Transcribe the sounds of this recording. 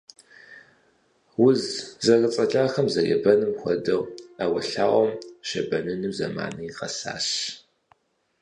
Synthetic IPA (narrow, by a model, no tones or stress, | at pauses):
wʊzzɐrɐt͡sʼɐɬʼaːxɐmzɐjɛ̰bɐnɨmxʷɔdɐwawɐɬaːʔʷɔmʃɐbɐnɨnɨmzɐ̰ma̰ːnɐiqɐsa̰ːɕ